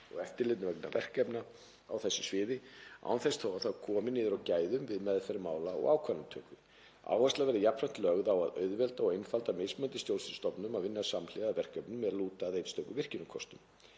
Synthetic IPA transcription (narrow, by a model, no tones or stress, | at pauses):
ɔɣɛft̪ɪɾlɪt̪nvɛk̚na̰vɛ̰r̥kɛpna | awθɛsːɪsvɪːðɪa̰ːwnθɛst̪θɔwaθawkʰɔːmɪniːðʏɾawcaːjðʏmvɪðmɛðfɛɾɪmaːwlaɔ̰ɣawkʰanʏmt̪ʰœːkvɪ | a̰ːwast̪lavɛːɾðɪjapɾɛn̥t̪lœɣðawa̰ðœ̰ɥðvɛlt̪aɔɣejnfalt̪amejsmœnt̪ɪst̪jowlsɪnst̪ɔpnʏmaðvɪnːasamlɪɣavɛr̥kɛpnʏmɛðɾaluːt̪aːðejt̪st̪œɥkʏvɪr̥cɪnʏkʰɔst̪ʏm